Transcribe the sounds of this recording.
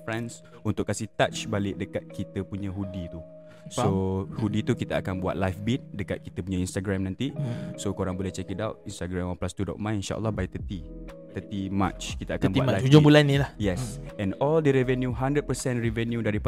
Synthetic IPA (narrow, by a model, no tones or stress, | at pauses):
fɾɛ̃ns | unt̪ʊkːasit̪at͡ʃbalɪʔ̚dəkat̪̚kit̪əpuɲə̃ɦudit̪u | sohudit̪ukit̪aakanbua̰t̪̚lajfbit̪̚dəkat̪̚kit̪əpuɲãinst̪aɡɾɛmnãnt̪isokoɾaŋbolɛht͡ʃɛkədawt̚inst̪aɡɾɛmɔnplast̪udɔ̰ʔ̚mãninʃa̰ʔə̰lːɔhbait̪ət̪it̪ət̪ima̰t͡ʃkit̪aakanbatlahud͡ʒʊŋbulanːĩlahjɛsɛ̃nɔldəɾɛvɛnjuɦandɾəd̚pəsɛ̃nrɛvɛnjudaɾip